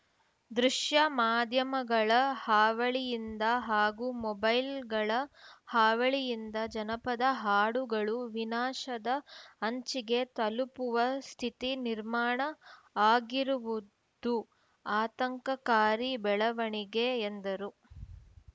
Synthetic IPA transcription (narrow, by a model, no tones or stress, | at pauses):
d̪ɾuʂjɐmaːd̪ʱjɐmɐɡɐɭɐhaːʋɐɭijind̪ɐɦaːɡumɔbɐjlɡɐɭɐhaːʋɐɭijind̪ɐd͡ʒɐnɐpɐd̪ɐɦaːɽuɡɐɭuʋinaːʃɐd̪ɐɐɲt͡ʃiɡe̞t̪ɐlupuʋɐst̪ʰit̪iniɾmaːɳɐ | aːɡiɾuʋu | d̪u | aːt̪ɐŋkɐkaːɾibɛɭɐʋɐɳiɡeːnd̪ɐɾu